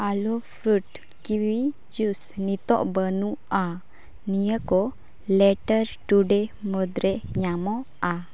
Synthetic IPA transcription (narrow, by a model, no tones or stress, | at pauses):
alɔfʰɾuʈ | kiwi | d͡ʒusnit̪ɔ̰ʔbənua | nijəkɔ | lɛʈəɾʈuɖemɔd̪ɾɛɲamɔ | a